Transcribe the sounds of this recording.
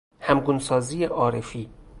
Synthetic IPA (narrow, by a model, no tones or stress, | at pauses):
hæmɡunsɒːziːjeʔɒːɾefiː